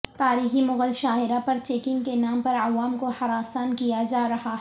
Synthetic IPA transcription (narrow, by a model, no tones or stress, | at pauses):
t̪aːɾiːximʊɣəlʃaːɦɪɾapɐɾt͡ʃeːkɪ̃ŋɡkenaːmpɐɾɐʋaːmkohɐɾaːsaːnkijad͡ʒaːɾɐɦaɦ